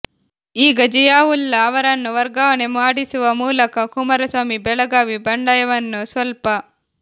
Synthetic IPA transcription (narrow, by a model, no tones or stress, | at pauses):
iːɡɐd͡ʒɐjaːwulːɐːʋɐɾɐnːuʋɐɾɡaːʋɐnemaːɽisuʋɐmuːlɐkɐkumɐɾɐsʋaːmibɛlɐɡaːʋibɐɳɖɐjɐʋɐnːusʋɐlpɐ